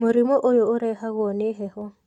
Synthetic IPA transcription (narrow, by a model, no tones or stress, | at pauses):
moɾimɔʔojoʊɾɛɦaɣɔneɦɛhɔ